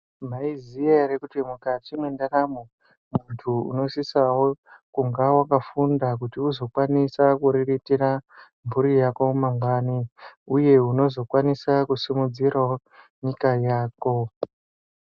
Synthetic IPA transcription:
m̤aizijaɾekutimukatinwendaramu | muntʰuṵno̞sisawokuŋɡawakafundak̬utiuzo̞kwanisakuɾiritira | ɱvuɾijako̞maŋɡwaːniuje̞uno̞zo̞kwanisakusimud͡zirwa | ɲikajaːko̞

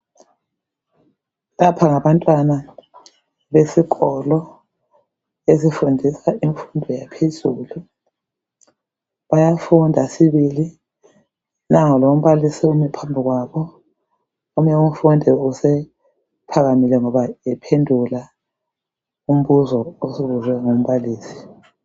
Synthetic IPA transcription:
lapʰaŋaβantʼwana | βesiɣɔlɔ | esifundʱisaiɱfundʱɛjapʰezuːlu | βajafundʱasiβili | naŋɔlom̩βalisiumɛpʰambʱiɣwaβɔ | um̩ɲamfundʱɛusɛ | pʰaɣamilɛŋɔβaɛpʰendʱula | um̩βuzɔosiβuzɛŋom̩βaliːsi̥

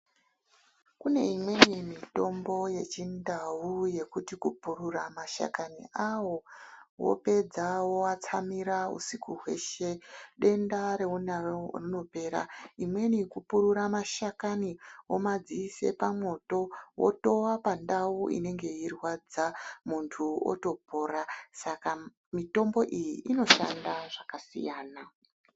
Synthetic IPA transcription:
kune̞imwe̞nimito̞mbo̞je̞t͡ʃindauje̞kutikupuɾuramaʃa̰kanḭawo̞wo̰pe̞d͡zawoat͡samiɾaṵsikuɦwe̞̰ʃe̞ɗe̞ndaɾe̞un̰rino̞pe̞ːɾa̰imwe̞nikupuɾuɾamaʃakanio̞mad͡ziise̞̰pamwo̞to̞wo̰to̞wapandawuḭne̞ŋɡe̞irwad͡zamuntʰuo̰to̞po̞ːɾasaka | mito̞mbo̞ʔijiʔːno̞ʃa̰ndaʐakasḭjaːna

